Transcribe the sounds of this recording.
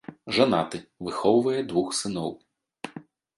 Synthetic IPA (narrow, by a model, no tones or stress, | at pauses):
ʐana̰t̪ɨvɨxɔwvɐjɛd̪ʋuxsɨnɔw